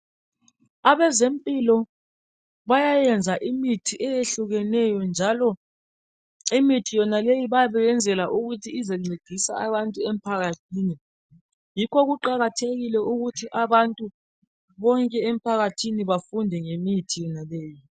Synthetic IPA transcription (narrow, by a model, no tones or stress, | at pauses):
aβɛzempʼilɔ | βajajɛnd͡zʱaʔimitʰiʔɛjeɬuɣɛnɛjɔnd͡ʒʱalɔ | imitʰijɔnalejiβajaβɛɛnd͡zʱɛlaʔuɣutʰiːzɛŋ͡ǀiɡ̥ʱisaaβantʼuem̩pʰaɣatʰiːni | jikʰɔɣuǃaɣatʰeɣilɛʔuɣutʰiʔaβantʼu | βɔŋkʼɛem̩pʰaɣatʰiniβafundʱɛŋemitʰijɔnaleːji